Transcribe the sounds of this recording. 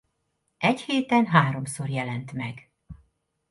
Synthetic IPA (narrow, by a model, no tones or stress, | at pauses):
ʔɛcheːt̪ɛnɦaːɾo̞mso̞rjɛlɛnt̪mɛɡ